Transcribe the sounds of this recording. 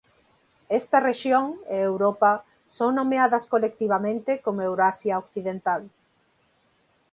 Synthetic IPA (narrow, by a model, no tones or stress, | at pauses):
ɛst̪ɐreʃjoŋeewɾopɐ | soŋnomeaðɐskolek̚t̪iβ̞amẽnt̪ekomoewɾoasjaokθiðent̪al